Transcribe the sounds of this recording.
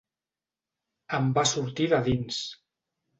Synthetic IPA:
əmbasuɾt̪iðaðins

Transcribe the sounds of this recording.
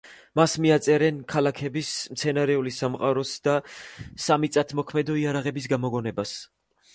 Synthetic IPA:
masmiat̪sʼɛɾɛnkʰalakʰɛbismt̪sʰɛnaɾɛulisamqʼaɾɔsd̪̥asamit̪sʼat̪ʰmɔkʰmɛd̪ɔiaɾaʁɛbisɡamɔɡɔnɛbas

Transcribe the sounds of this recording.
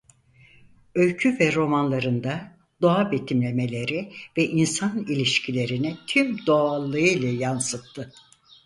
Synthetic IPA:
ø̞lʲcʰyvɛɾo̞manlˠaɾɯnd̪a | d̪o̞abe̞t̪ʰimlʲe̞me̞lʲe̞ɾivɛʔinsanilʲiʃcʰilʲe̞ɾinit̪ʰymd̪o̞alˠːɯɯjlʲˠajansɯt̚t̪ʰːɯ

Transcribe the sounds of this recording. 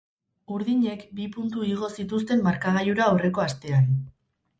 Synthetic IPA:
uɾðiɲe̞kbipunt̪uiɣ̞o̞sit̪ust̪e̞mːaɾkaɣ̞ajuɾaːwre̞ko̞ast̪e̞an

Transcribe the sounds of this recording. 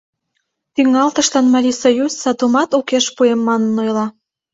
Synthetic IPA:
t̪yŋɑlt̪ə̆ʃlɑnmɑɾʲisojusːɑt̪umɑt̪ukeʃpuemːɑnənːojlɑ

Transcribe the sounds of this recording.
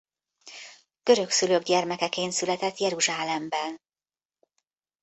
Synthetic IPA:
ɡ̥ø̞ɾø̞ksyløːɡɟɛrmɛkɛkeːnsylɛt̪ɛt̪jɛɾuʒaːlɛmbɛn

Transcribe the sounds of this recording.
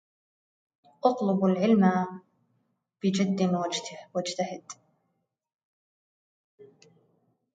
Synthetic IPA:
ʔɑt̪ˤlɨbalʕɪlma | b̥ɪd͡ʒad̪ːɪmawad͡ʒt̪ʰwad͡ʒt̪ʰahɪd̪̥

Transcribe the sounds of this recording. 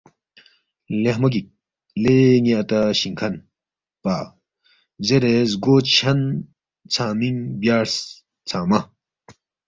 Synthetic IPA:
leɦmɐk̬ik̚ | leŋiɐt̪aɕiŋkʰɐn | paː | zeɾezɡoːt͡sɕʰɐn | t͡sʰaːmiŋbjaːɾs | t͡sʰaːmɐ

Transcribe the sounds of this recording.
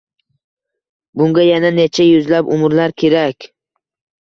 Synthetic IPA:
bʊŋɡʲajananet͡ʃʰajʊzlapʊmɾlaɾkʲʰe̞ɾakʲ

